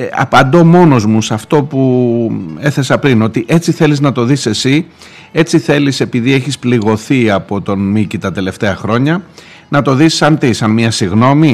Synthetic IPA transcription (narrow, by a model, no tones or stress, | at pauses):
ɐ̰pɐnd̪o̞mo̞no̞zmusɐft̪o̞pu | e̞θe̞sɐpɾino̞t̪iʔe̞t͡siθe̞liznɐt̪o̞ðise̞si | e̞t͡siθe̞lise̞piðie̞çispliɣo̞θiɐpo̞t̪o̞nmicit̪ɐt̪e̞le̞ft̪e̞ɐxɾo̞ɲɐ | nɐt̪o̞ðisɐnt̪isɐnmiɐsiɣno̞mi